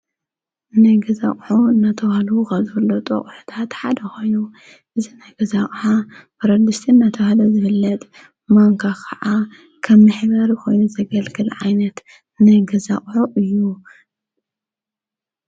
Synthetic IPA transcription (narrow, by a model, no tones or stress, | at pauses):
ɨnajɡɐza̰χʼħuɨnːat̪ʰɐwahalukazɔɾd̪ɐt̪ʼɐ̰kʼħu̥t̪ʰat̪ħad̪ɐxo̞jnu | ʔɨzinajɡɐzaχʼħabɐɾɐd̪ɨst̪ʰiɨnːat̪ʰɐwhalozɨfɨlːɐt̪ʼ | maŋkʰakʰɐʕa | kʰɐmːɨħβɐɾjko̞jnuzɐɡɐlɡɨlʕajnɐt̪ | nɨɡɐzaχʼħuʔɨjːu